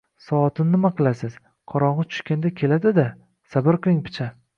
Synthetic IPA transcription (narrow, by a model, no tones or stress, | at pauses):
sɒɒt̪ʰɪnːɪmaqʰɨlˠasɪz̥ | qʰɒɾɒɴʁɨt͡ʃʰʊ̥ʃkʲand̪akʲʰe̞lad̪ɪd̪a | sabɪɾkɾɪŋpʰɪ̥t͡ʃʰa